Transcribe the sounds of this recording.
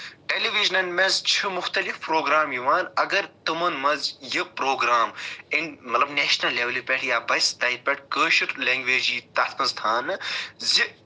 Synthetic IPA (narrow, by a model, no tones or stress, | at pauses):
ʈeliʋiʒnɐnmezt͡ʃʰɨmʊxt̪ɐlifpɾoːɡɾaːmjiʋaːnɐɡɐɾt̪ɨmɐnmɐzjɨpɾoːɡɾaːminmɐt̪lɐbneːʃnɐlːeːʋɐlipʲeʈʰjaːbɐst̪ɐːipʲeʈʰkəːʃuʈleːŋɡʋeːd͡ʒiːt̪ɐt̪ʰkɐnst̪ʰaːnɨzi